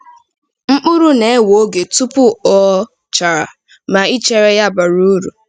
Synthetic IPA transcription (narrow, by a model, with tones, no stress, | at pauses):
ŋ͡m̩˦k͡pʊ˦ɾu˦ne˨e˦wo˨˦ɡe˨tu˦pʊ˦ɔ˦ | t͡ʃa˨ɾa̰˨ | ma˨i˦t͡ʃe˨ɾe˦ja˦˨ba˨ɾu˦ɾu˨